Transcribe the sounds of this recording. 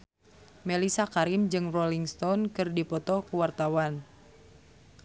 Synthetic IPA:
melisakaɾimd͡ʒɨŋrɔliŋst̪ɔnkɨrdipɔt̪ɔkuwart̪awan

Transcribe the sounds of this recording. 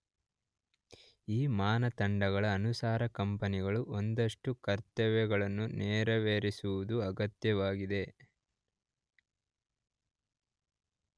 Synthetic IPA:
iːmaːnɐt̪ɐɳɖɐɣɐɭɐːnusaːɾɐkɐmpɐniɡɐɭuʔond̪ɐʂʈukɐɾt̪ɐʋɛɡɐɭɐnːunɛːɾɐʋeːɾisuʋud̪uɐɡɐt̪jɐʋaːɡid̪e̞

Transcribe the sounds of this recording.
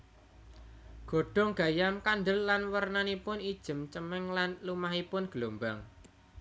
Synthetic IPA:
ɡ̥o̤ɖ̥ɔ̤ŋɡ̥a̤jamkanɖ̪əlːanwərnanipʊnid̥ʒ̥ə̤mt͡ʃəmɛŋlanlumaɦipʊnɡ̥əlombaŋ

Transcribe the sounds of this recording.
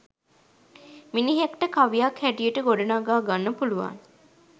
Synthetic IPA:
miniɦekʈəkaʋijakhæʈijəʈəɡoɖɐnaːɡaːɡanːəpuluʋa̰ŋ

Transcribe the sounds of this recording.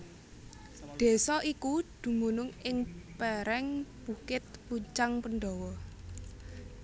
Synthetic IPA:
d̪̥e̤sɔʔikud̪̥ṳmunʊŋɪŋpɛɾɛŋb̥ukɪt̪̚kuɲt͡ʃaŋpənɖɔwɔ

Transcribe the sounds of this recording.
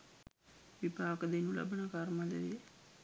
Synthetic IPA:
ʋipaːkəd̪enula̰bənəkarmələ̰ʋe

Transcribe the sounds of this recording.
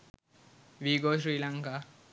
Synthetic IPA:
ʋiɡoɕɾilaŋka

